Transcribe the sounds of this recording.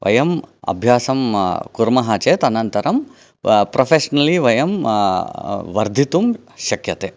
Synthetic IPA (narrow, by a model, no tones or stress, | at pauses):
ʋʔɐ̰jɐmɐ̰bʱjaːsɐmkuɾmɐɦaːt͡ʃeːt̪ɐnɐnt̪ɐɾɐm | pɾʔopʰeːʃɐnɐliʋɐjɐm | ʋɐɾd̪ʱit̪um | ʃɐkjɐt̪eː